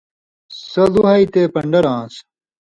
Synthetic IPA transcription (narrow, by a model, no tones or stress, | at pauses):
sɐluɦɐit̪epɐɳɖɐɾãːs